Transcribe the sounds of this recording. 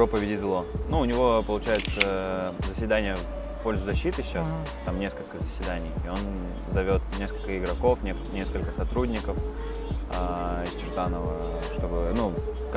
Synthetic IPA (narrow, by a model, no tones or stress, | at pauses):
pɾo̞pəvʲɪdʲɪzlˠo̞nuʊnʲɪvo̞pəlˠʊt͡ɕæjɪt̪səzəsʲvʲɪd̪anʲɪjə | po̞lʲzʊzɐɕːit̪ɨɕːas | t̪amnʲe̞skəlʲkəzəsʲvʲɪd̪anʲɪjɪo̞n | zɐvʲo̞t̪nʲe̞skəlʲkəɪɡɾɐko̞fnʲenʲe̞skəlʲkəsɐt̪ɾudʲnʲɪkəf | aɪst͡ɕɪʐd̪anəvə | ʂt̪o̞bɨnu | k